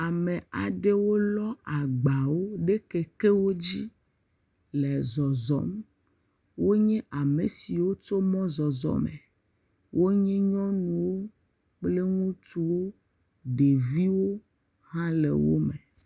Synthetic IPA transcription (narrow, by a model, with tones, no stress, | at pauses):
a˨mẽ˨a˨ɖe˦wo˦lɔ˦a˨ɡ͡ba˨wo˦ɖe˦ke˨ke˦wo˦d͡ʑi˦ | lɛ˨zɔ˨zɔ̰˨˦m | wo˦ɲɛ̃˦ʔa˨me˨si˨wo˦t͡ʃo˦mɔ̃˦zɔ˨zɔ̰˨mḛ˨ | wo˦ɲɛ̃˦ɲɔ̃˦nũ˨wo˦ | k͡ple˦ŋũ˦t̪u˦wo˦ | ɖe˨vi˦wo˦ | hã˦lḛ˨wo̰˦me˨